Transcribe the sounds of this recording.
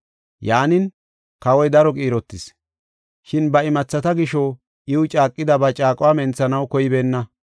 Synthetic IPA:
jaːnɪn | kɐwɔjd̪ɐɾɔkʼiːɾɔt̪ːɪs | ʃɪnbɐɪmɐt͡sːɐt̪ɐɡɪʃɔ | ʔɪwʊt͡ʃʼaːkʼːɪd̪ɐbɐt͡ʃʼaːkʼɔwaːmɛnt͡sːɐnɐwkɔjɪbeːnːɐ

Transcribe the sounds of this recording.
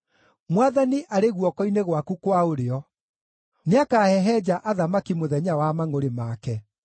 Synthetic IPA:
mwaðaniʔaɾeɣwɔkɔineɣwakukwaoɾeɔ | neakahɛɦɛd͡ʑaʔaðamakimoðɛɲawamaŋoɾemakɛ

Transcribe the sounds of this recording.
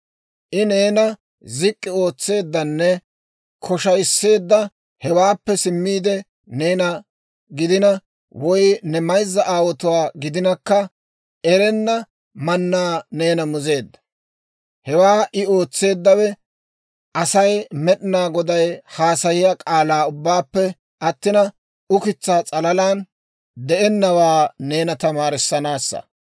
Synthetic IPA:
ʔɪne̞ːnɐ | zɪkʼːɪo̞ːt͡sːe̞ːd̪ːɐnːɛ | kʰɔʃɐjsːe̞ːd̪ːɐ | hɛwaːpːɛsɪmːiːd̪ɛ | ne̞ːnɐ | ɡɪd̪ɪnɐ | wɔjnɛmɐjzːɐʔaːwɔt̪ʊwaːɡɪd̪ɪnɐkːɐ | ɛɾɛnːɐ | mɐnːaːneːnɐmʊze̞ːd̪ːɐ̥ | hɛwaːʔɪo̞ːt͡sːe̞ːd̪ːɐwɛ | ʔɐsɐjmɛɗɪnaːɡɔd̪ɐjhaːsɐjɪjakʼaːlaːʊbːaːpːɛ | ɐt̪ːɪnɐ | ʊkɪt͡sːaːt͡sʼɐlɐlaːn | d̪ɛʔɛnːɐwaːne̞ːnɐt̪ɐmaːɾɪsːɐnaːsːɐ̰

